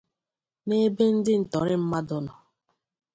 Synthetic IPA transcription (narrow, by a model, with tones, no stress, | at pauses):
ne˦be˦n̩˦dɪ˦n̩˨tɔ˨ɾɪ˦m̩˦ma˦dʊ˦nɔ˨